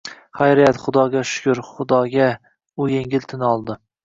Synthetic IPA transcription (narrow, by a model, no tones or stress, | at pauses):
χajɾijat̪χʊd̪ɒɡʲaʃʊ̥kʲʊɾχʊd̪ɒɡʲa | ʊjeŋʲɪlt̪ʰɪnɒlˠd̪ɪ